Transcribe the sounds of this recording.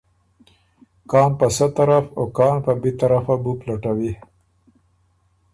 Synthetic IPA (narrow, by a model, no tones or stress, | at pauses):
kɑːnpəsət̪aɾafokɑːnpəbet̪aɾafabuplaʈawi